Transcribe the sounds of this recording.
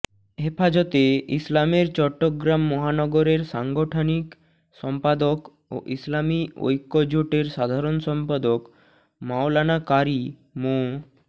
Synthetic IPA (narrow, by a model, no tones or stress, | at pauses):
hefad͡ʑɔt̪eislameɾt͡ɕɔʈːoɡɾamːɔɦanɔɡoɾeɾʃaŋɡoʈʰonik | ʃɔmpad̪ok | o̰ʔislamio̰jkːod͡ʑoʈeɾʃad̪ʱaɾonʃɔmpad̪ok | maolanakaɾimo